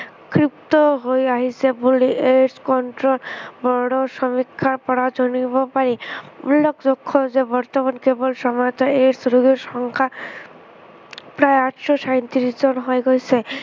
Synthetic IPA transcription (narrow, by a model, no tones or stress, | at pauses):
kɾipt̪oɦojaɦisʰeboliʔeɾskɔɳʈɾolbɔɽoʃɔmikʰːaɾpɔɾad͡ʑɔnibɔpaɾiṵlːokd͡ʑokʰːozebɔɾt̪ɔmankebolʃɔmɔjt̪ɔeɾsɾuɡeɾʃɔŋkʰa | pɾaeaʈʃɔʃajnt̪iɾisd͡ʑɔnɦɔeɡojsʰe